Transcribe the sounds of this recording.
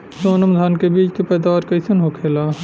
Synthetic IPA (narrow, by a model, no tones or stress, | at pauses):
soːnɐmd̪ʱaːnkebiːt͡ʃkepɛːd̪aːʋaɾkɐisunɦoːkʰeːlaː